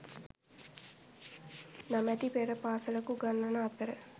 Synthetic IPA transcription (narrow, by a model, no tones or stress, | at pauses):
namɛt̪ipeɾəpaːsələkuɡanːɐnaːt̪əɾə